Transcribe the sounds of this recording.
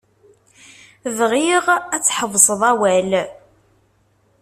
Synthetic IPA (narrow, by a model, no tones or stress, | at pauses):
ðʁiʁæt͡sːħəvsˤəðˤæwæl